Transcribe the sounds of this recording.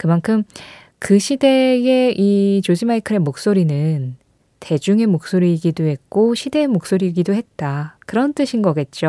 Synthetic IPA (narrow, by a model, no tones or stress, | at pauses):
kɯmankʰɯm | kɯɕʰide̞ɡeit͡ɕod͡ʑimaikʰɯɾe̞mok̚s͈oɾinɯn | te̞d͡ʑuŋe̞mok̚s͈oɾiɡidohe̞k̚k͈oɕʰide̞ːmok̚s͈oɾiɡidoɦe̞t̚t͈akɯɾʌnt͈ɯɕʰinɡʌɡe̞t̚t͡ɕ͈o